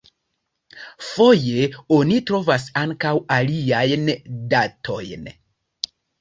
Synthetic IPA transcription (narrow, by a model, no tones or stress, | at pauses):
fo̞je̞o̞nitɾo̞vas̬aŋkawaliajndatʰo̞jn